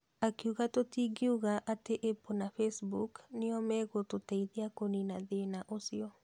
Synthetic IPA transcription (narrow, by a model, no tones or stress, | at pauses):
akiuɣatotiɡiuɣaʔateʔeponafesbukniɔmɛɣototɛiðiakoninaðenaʔosiɔ